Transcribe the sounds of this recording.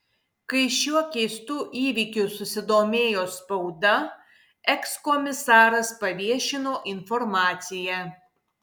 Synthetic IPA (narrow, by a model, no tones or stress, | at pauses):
kɐɪʃʲuɔkʲɛɪst̪uːʔiːʋʲikʲʊsʊsʲɪd̪oːmʲeːjoːspɐʊd̪ɐ | ɛkskɔmʲɪsɑːɾɐspɐʋʲiɛʃʲɪnoːʔɪnfɔɾmɑːt̪sʲɪjɛ